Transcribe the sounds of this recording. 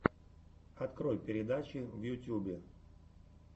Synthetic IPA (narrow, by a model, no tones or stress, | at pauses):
ɐt̪kɾo̞jpʲɪɾʲɪd̪at͡ɕɪvjʊtʲubʲɪ